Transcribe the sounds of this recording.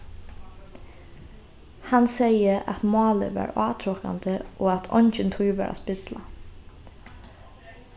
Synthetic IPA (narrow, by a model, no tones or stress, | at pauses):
hɑnseɪəɑ̰t̪mɑːlə̰ʋɑ̰ːɹɑːt̪ʰɾokɑ̰nd̪əʔoːɑt̪ʰɔnçənt̪ʰyːʋæ̰ːɾʔɑ̰ːspɪd̪lɑ